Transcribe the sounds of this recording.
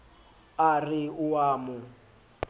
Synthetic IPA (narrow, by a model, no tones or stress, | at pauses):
arɪʊwaːmʊ